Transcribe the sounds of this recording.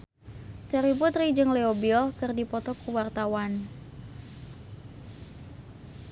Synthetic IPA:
t̪ɛɾiput̪rid͡ʒɨŋleobiɔlkɨrdipɔt̪ɔkuwart̪awan

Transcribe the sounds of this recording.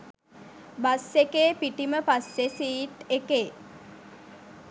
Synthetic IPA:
basːekeːpiʈiməpasːesiːʈekeː

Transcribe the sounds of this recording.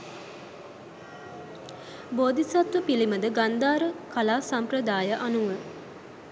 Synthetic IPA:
boːd̪isat̪ʋəpiliməd̪əɡand̪aːɾəkalaːsamprəd̪aːjəʔanuʋə

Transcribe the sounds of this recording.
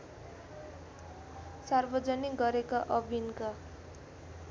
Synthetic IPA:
sarbʌd͡zʌniɡʌɾekaʔʌbʱinka

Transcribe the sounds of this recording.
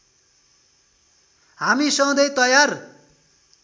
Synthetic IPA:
hamisʌ̃d̪ʌjt̪ʌjar

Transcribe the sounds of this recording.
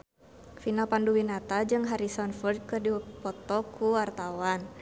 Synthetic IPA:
finapanduwinat̪ad͡ʒɨŋɦaɾisɔnfɔrd̪̚kɨrdipɔt̪ɔkuwart̪awan

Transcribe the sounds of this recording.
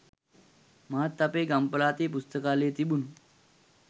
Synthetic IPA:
maɦat̪ːapeːɡampəlaːt̪eːpust̪əkaːleːt̪ibunu

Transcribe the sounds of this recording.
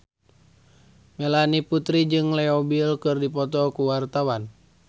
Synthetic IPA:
mɛlaniput̪ɾid͡ʒɨŋlɛɔbilkɨrdipɔt̪ɔkuwart̪awan

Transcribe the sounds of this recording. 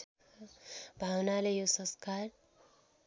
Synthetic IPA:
bʱawnalejosʌ̃skar

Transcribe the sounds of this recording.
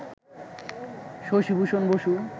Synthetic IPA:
ʃoʃibuʃonboʃu

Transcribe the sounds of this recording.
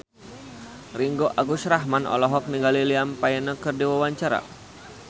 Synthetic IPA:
riŋɡoʔaɡuʃɾaɦmanʔɔ̰lɔɦɔk̚niŋɡaliliampajɛnəkərdiwawaɲt͡ʃaɾa̰

